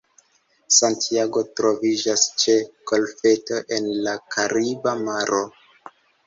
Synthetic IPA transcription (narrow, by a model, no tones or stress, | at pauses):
santiaɡo̞tɾo̞vid͡ʒast͡ʃe̞ɡ̥o̞lfe̞to̞ʔe̞nlakʰaɾibamaɾʔo̞